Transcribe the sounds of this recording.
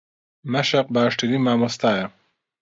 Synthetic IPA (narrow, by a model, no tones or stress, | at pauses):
mɐʃaq̚baːʂʈiɾimaːmost̪aːja